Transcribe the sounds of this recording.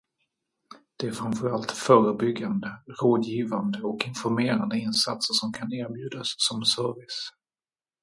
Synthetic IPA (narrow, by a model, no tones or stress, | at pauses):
d̪̥ɛæɾfɾanfœɾalt̪fœːɾəbʏɡːand̪əɾoːd̪jiːvand̪əɔkɪnfɔɾmeːɾand̪əɪnsat̪səʂɔmkʰaneːɾbjʉ̟ːd̪asːɔmsœɾvɪs